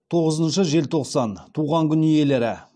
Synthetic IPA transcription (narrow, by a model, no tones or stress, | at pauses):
t̪ʰo̞ʁəzənʃəʒe̞lt̪ʰo̞qsɑnt̪ʰuʁɑŋkʲʰʏnije̞le̞ɾɪ